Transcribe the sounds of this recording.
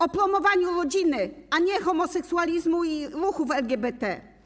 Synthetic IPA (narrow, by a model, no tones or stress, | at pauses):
ɔpɾɔmɔvaɲuɾɔd͡ʑinɘaɲɛxɔmɔsɛksualʲizmuiɾuxuvɛlɡʲjɛbɛt̪ɛ